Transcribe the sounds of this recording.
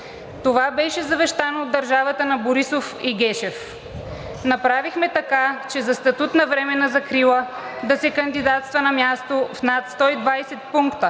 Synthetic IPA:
t̪ovabɛʃɛzɐvɛʃt̪anoːd̪ːɐɾʒavət̪ənɐboɾisofiɡɛʃɛf | nɐpɾavixmɛt̪ɐkat͡ʃɛzɐst̪ɐt̪ut̪nɐvɾɛmɛnɐzɐkɾilˠə | d̪ɐsɛkɐnd̪id̪at̪st̪vənɐmʲjast̪ofnat̪st̪ɔid̪vajsɛt̪̚puŋkt̪ə

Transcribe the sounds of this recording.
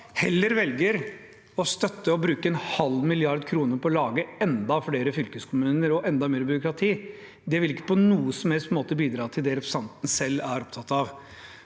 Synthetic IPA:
hɛlːəɾʋɛlɡəɾ | ɔst̪œt̪ːəɔbɾʉːkəɛnhɑlmɪlɪɑɾd̪kʰɾuːnəpʰɔːlɑːɡəɛnd̪ɑfɽeːɾəfʏlkəskʰʊmʉːnəɾɔʔɛnd̪ɑmeːɾbʏɾʊkɾɑt̪ʰiː | d̪ɛʋɪlɪkːə̥pʰɔnuːəsɔmhɛlstmoːt̪əbiːd̪ɾɑːt̪ʰɪld̪ɛɾɛpsɑnt̪n̩sɛlːæɾɔpt̪ʰɑt̪ːɑʋ

